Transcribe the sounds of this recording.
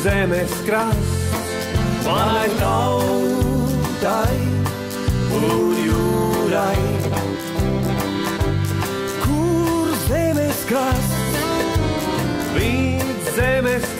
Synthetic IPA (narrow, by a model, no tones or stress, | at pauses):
zɛmɛskɾas | manajt̪aw | t̪aj | fluɾjuɾaj | kʰuɾzɛmɛskɾas | vit̪zɛmɛs